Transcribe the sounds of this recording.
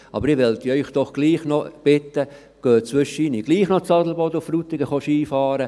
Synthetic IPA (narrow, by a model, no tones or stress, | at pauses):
ʔɑ̰bəɾɪʋɛlt̪iœʏχd̥ɔχɡ̥liːχnob̥ɪt̪ːə | ɡ̥øːt͡sʋʏʃəiniɡ̥liːχnot͡sɑdl̩bɔd̪ʊfɾut̪ɪɡəχɔʃiːfɑːɾə